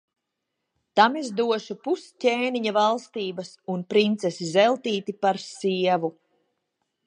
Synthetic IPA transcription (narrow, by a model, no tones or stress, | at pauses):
t̪amezd̪uɔʃupuscʲeːniɲavalˠst̪iːbɐsunpɾint̪sesizɛlˠt̪iːt̪ipaɾsiɛvu